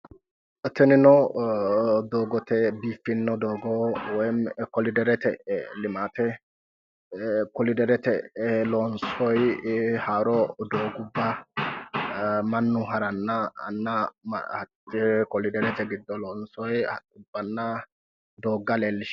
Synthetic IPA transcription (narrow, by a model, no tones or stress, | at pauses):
t̪ɛnɪnɔ | d̪oːɡɔt̪ɛbiːfːɪnːɔd̪oːɡɔwɔjkɔlɪd̪ɛɾɛt̪ɛlɪmaːt̪ɛ | kɔlɪd̪ɛɾɛt̪ɛlɔːnsɔjhaːɾɔd̪oːɡʊbːɐ | mɐnːʊɦɐɾɐnːɐ̰nːɐm̰hɐtːɪkɔlɪd̪ɛɾɛt̪ɛɡɪd̪ːɔlɔːnsɔjʊbːɐnːɐ | d̪oːɡːɐleːlːɪʃ